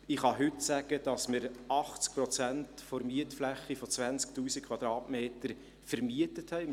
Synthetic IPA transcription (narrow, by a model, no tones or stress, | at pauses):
ɪχhɑɦʏtsæɡ̥əd̥ɑsmɪɾɑχt͡sk̚pɾɔt͡sæntfoɾmiətflæχːifot͡sʋænt͡sktuːsikʰχwɑd̥̪ɾɑːtmeːtəɾ | fəɾmiətəthɛɪ